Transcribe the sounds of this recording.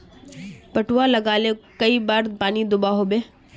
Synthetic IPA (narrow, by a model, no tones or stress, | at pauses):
pɐʈuwalɐɡaːlekɐibaːɾpaːnid̪ʊbaɦoːbeː